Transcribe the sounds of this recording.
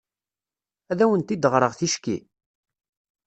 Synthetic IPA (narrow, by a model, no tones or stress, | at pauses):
æðæwənt̪id̪əʁɾˤəʁθiʃkḭ